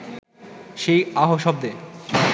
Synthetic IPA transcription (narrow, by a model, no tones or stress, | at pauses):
ʃejaɦoʃɔb̚d̪e